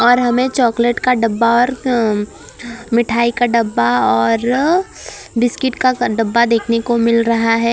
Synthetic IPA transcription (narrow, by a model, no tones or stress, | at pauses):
ɔːɾɦɐmẽt͡ʃɔːkleʈkaɖɐbːaɔːɾ | mɪʈʰaːikaɖɐbːaɔːɾ | bɪskɪʈkaɖɐbːad̪eːkʰnekomɪlɾɐɦaɦɛː